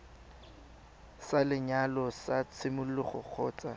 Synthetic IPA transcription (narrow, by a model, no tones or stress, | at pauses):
salɪɲalɔsat͡sʰɪmʊllɪχʊ̰k͡xʰɔːt͡sʼa